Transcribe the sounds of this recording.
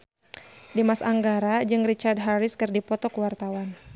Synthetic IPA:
dimasaŋɡaɾad͡ʒɨŋrit͡ʃard̚ɦaɾɪskɨrdipɔt̪ɔkəwart̪awan

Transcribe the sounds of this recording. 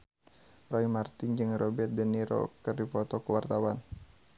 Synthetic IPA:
rɔimart̪ind͡ʒɨŋɾʔɔbɛt̪̚dəniɾɔ̰kɨrdipɔt̪ɔkəwart̪awan

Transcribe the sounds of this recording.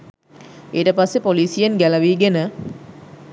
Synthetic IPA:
eːʈəpasːepoliːsijenɡælɐʋiːɡenə

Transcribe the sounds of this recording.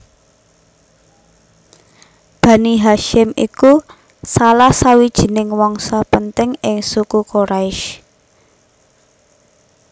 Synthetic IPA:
b̥ä̤niɦaʃɪmḭku | salahsawid̥ʒ̥i̤nɪŋwɔŋsɔpənt̪ɪŋɪŋsukukoɾaɪʃ

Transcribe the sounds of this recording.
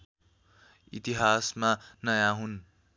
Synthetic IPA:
ḭt̪iɦasmanʌjãɦun

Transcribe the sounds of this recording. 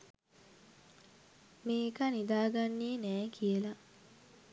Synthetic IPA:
meːekanid̪aːɡanːiːnæːkʰijəlɐ

